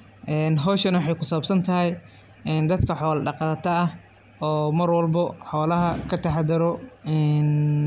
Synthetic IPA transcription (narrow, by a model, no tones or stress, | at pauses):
ʔɛnɦɔːʃɐnwħɑjkʰʊsɐɐbsɐnt̪ʰɐɦɛj | ɛnd̪ɐd̪kʰɐħɔːlɐɖɑqɑːt̪ʰɐɐh | ɔːmɐrwɐlbɐħɔːlɐɦɐkʰɐt̪ʰɐħɑd̪ɐɾɔɛn